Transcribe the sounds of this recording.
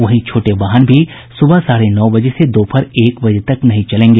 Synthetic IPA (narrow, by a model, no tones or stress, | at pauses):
ʋɐɦĩt͡ʃʰoːʈebaːɦənbʱi | sʊbʱəsaːɾenɔːbɐd͡ʒesed̪oːpʰɐɾeːkbɐd͡ʒt̪ɐknɐɦĩt͡ʃɐlẽːŋɡeː